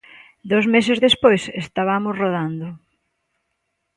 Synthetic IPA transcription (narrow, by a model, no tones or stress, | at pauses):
d̪owzmes̬ezðespojsest̪aβamʊsroðand̪ʊ